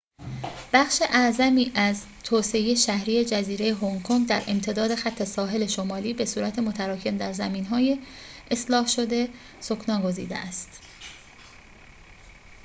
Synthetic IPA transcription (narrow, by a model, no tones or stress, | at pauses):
b̥æχʃe̞ʔæzæmiːʔæz | t̪ʰoːse̞ejeʃæhɾiːje̞d͡ʒæziːɾe̞jeɦoŋkʰoŋɡd̪æɾʔe̞mt̪ʰe̞d̪ɒːd̪e̞xæt̪ʰːe̞sɒːɦe̞le̞ʃomɒːliːbe̞suːɾæt̪ʰe̞mot̪ʰæɾɒːcʰe̞md̪æɾzæmiːnɦɒːje̞ːslɒːhʃo̞d̪e̞ | sokʰnɒːɡo̞zḭːd̪ḛʔæst̪